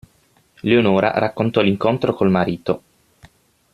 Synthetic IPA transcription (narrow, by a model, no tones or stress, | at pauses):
leonoːɾa̰rakːont̪ɔliŋkont̪ɾokolmaɾiːt̪o